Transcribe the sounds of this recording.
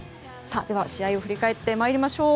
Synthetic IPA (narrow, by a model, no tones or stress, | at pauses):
sad̪e̞βaɕiaio̞ɸɯɾʲikae̞t̪ːe̞maeɾʲimaɕo̞ː